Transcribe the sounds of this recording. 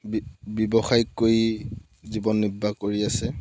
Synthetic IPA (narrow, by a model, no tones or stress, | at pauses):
bbɔbɔxajkːoj | zibɔnːibʱːakoɹiasɛ